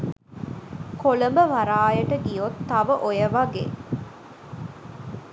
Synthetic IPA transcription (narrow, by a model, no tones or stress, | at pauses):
kolɐmbəʋɐɾaːjɐʈəɡijot̪ːɐʋəʔojɐʋɐɡḛ